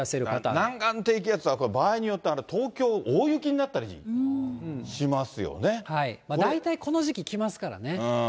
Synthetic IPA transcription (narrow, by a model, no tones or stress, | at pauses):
aseɾɯ̟kat̪anãŋɡãnt̪e̞ik̬ʲijat͡sɨβako̞obaːiɲ̟ijo̞t̪ːeaɾat̪ʰo̞ːkʲo̞ːʔoːjɯ̟kʲiɲ̟inat̪ːaɾʲi | ɕimasɨjo̞̰ne̞haimad̪ait̪aiko̞no̞ʑikʲikʲimasɨ̥kaɾa̰ne̞ɯ̃